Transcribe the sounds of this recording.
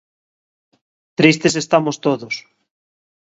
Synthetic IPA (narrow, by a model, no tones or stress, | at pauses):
t̪ɾist̪es̬est̪amost̪oðos